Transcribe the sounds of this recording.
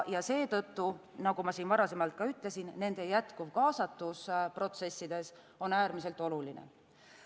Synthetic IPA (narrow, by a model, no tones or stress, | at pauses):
jɑse̞ːt̪ɤ̞t̪ːu | nɑɡ̥umɑsiːnvɑɾɑse̞mɑlt̪̚kɑyt̪ːˑle̞sinːe̞nd̪̥ejæt̪kuvkɑːsɑt̪ːuspro̞t̪se̞sːid̪̥e̞s | o̞næːɾmise̞lt̪ːˑo̞lulinḛ